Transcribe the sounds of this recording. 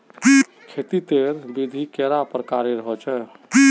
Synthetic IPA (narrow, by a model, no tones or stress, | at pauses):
kʰet̪it̪eɾbid̪ʱikeɾapɾəkaɾeɾəɦət͡ʃʰɛ